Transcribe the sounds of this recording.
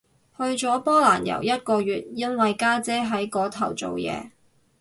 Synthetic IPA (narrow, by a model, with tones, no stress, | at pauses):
hɵ˧ɥt͡sɔː˨˥pɔː˥laː˨˩njɐ̰˨˩wjɐ˥t̚kɔː˧ɥyː˨t̚jɐ˥nwɐ˨jkaː˥t͡sɛː˥ɦɐ˨˥jkɔː˨˥t̪ʰɐ˨˩wt͡so̰˨wjɛ̰ː˨˧